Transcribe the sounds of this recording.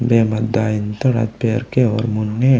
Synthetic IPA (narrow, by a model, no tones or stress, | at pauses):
beːmɐd̪aːjint̪əɾa̰t̪̚peːɾkeɔ̰ːɾmunːe